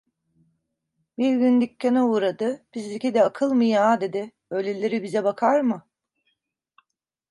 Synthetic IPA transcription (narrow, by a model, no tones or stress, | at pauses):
biɾɟʲynd̪icʲːenɛuːɾad̪ɯb̥izlʲicʲed̪ɛakʰɯlˠmɯjaːd̪e̞d̪ɪ | ølʲelʲeɾibizɛbakʰaɾmɯ